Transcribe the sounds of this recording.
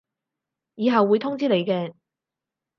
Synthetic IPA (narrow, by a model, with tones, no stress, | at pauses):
jiː˨˧ɦɐ˨wːuː˨˧jt̪ʰʊ˥ŋt͡siː˥le˨˧jkɛː˧